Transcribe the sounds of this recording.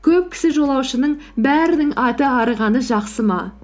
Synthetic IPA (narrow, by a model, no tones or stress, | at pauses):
kʲʰɵp̚kʲʰɪ̥sɪʒo̞lˠɑwʃənəɴbæɾɪnɪŋʔɑt̪əɑɾəʁɑnəʒɑqsəmɑ